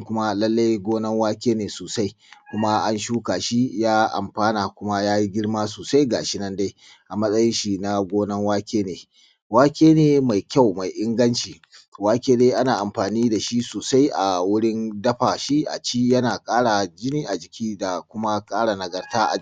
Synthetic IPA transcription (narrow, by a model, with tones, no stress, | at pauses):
kʊ˦ma˦lɐ˦lːa˦jɡʷoː˦nɐ˦ŋwaː˦kʲeː˦neː˨soː˨sa˦j | kʷʊ˦ma˦ʔa˦nʃuː˦kaː˨ʃi˦jaː˦ʔa̰˨mɸaː˦na˨kʷʊ˦ma˦jaː˦ji˦ɡʲɪ˦ɽma˦s̬oː˨sa˦jɡa̰˨ʃɪ˦nɐ˦nda˦j | ʔa˨mɐ˦sʼɐ˦jɪ˦nʃi˨na˦ɡʷoː˦nɐ˦ŋwaː˦kʲeː˦neː˨ | waː˦kʲeː˦neː˨ma˨jkʲa˦˨wma˨jʔɪ˦ŋɡɐ˦nt͡ʃiː˨ | waː˦kʲeː˦deː˦ʔa˦naː˨ʔa˨mɸaː˨niː˦da˨ʃi˦soː˨sa˦jʔa˨wʊ˦ɽɪ˦ndɐ˦ɸa˨ʃi˦ʔa̰˨t͡ʃi˦jɐ˦naː˨kʼaː˦ɽa˨d͡ʒɪ˦niː˦ʔa˨d͡ʒɪ˨kʲʰiː˦da˨kʷʊ˦ma˦kʼaː˦ɽa˨nɐ˨ɡɐ˨rtaː˦ʔa̰˨